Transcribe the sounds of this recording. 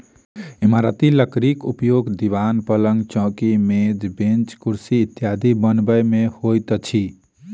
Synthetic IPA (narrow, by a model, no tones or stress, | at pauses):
imaɾət̪iləkɾikupjoɡd̪iʋanpələŋɡt͡ʃɔ̃ːkimed͡ʒ̪bẽnt͡ʃkuɾsiːt̪ːjad̪ʱibənbəjmehojt̪t͡ʃʰi